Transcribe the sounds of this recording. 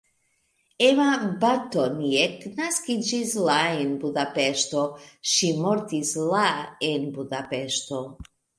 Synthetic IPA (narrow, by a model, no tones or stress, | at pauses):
evabat̪onieknaskid͡ʒislaenbud̪apeʃtoʃimoɾt̪islaenbudapeʃt̪o̞